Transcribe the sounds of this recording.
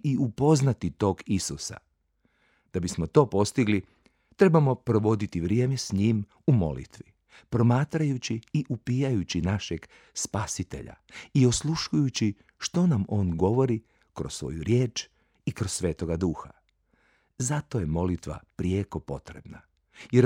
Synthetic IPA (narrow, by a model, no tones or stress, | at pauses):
iupo̞znat̪it̪o̞ːɡisusa̰ | d̪̥abismo̞t̪o̞ːpo̞st̪iɡli | t̪ɾe̞bamo̞pɾo̞ʋo̞d̪it̪iʋɾje̞ːmesɲiːm | umo̞̰lḭt̪ʋi | pɾo̞maːt̪ɾajut͡ɕiiʔupiːjajut͡ɕinaʃeɡ | spasit̪e̞̰ʎa̰io̞slˠuʃujut͡ɕi | ʃt̪o̞namo̞ːnɡo̞ʋo̞ɾi | kɾossʋo̞̰juɾje̞ːt͡ʃ | ikɾossːʋe̞ːt̪o̞ɡad̪uːxa̰ | zat̪o̞je̞mo̞lit̪ʋa̰pɾieko̞po̞t̪ɾe̞bna | jeɾ